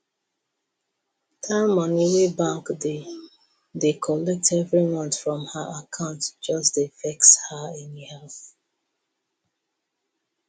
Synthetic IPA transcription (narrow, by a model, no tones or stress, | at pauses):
tʰamɔniwebãŋkde | dekʰɔlɛk̚tɛvɹimʌ̃ntfɹɔ̃mhəʔakʰãʊ̃ntd͡ʒʌsdefɛkshaɛ̃nhɛlθ